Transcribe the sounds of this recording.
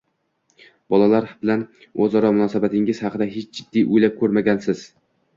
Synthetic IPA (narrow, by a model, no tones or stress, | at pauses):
bɒlˠalaɾbɪlan | ɵzɒɾɒmʊnɒsabat̪ʰɪŋɪz̥hɑqʰɨd̪aɦet͡ʃʰd͡ʒɪd̪ːiʔʊjlap̚kʰɵɾmaɡʲansɪz̥